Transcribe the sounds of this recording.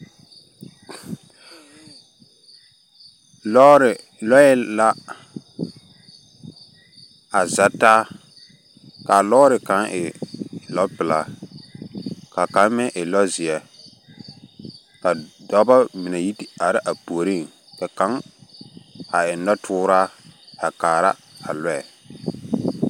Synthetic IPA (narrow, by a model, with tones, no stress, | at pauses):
lɔ˦ɾɪ˨ | lɔ˦ɛ˦la˦ | a˨za˨taː˦ | ka˨lɔː˦ɾɪ˨kã˨˦ɪ˨lɔ˦pɪ˨la˨ | ka˨ka˨˦mɛ˦ʔɪ˨lɔ˦zɪ˨ɛ˨ | ka˨dɔ˨˦ba˦mɪ˨nɛ˨ji˦ti˨a˨ɾɪ˦ʔa˨pu˨o˨ɾi˦˨ŋ | kɛ˨kã˨˦ŋ | a˨ɪ˨n˦dɔ˦tʰʊː˦ɾaː˦a˨kaː˨ɾa˦a̰˨lɔ˦ɛ˨